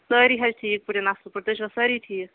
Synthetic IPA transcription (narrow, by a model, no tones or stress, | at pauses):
səɾiɦɐd͡ʒʈʰiːk̚puɾenaslpɐɾt̪ət͡ʃʰbɐsɐɾiʈʰiːk